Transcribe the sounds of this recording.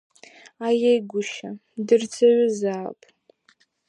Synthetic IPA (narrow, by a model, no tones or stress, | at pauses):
ajejɡʷʊʃadɨrt͡sʰʼaɥʊzaːpʼ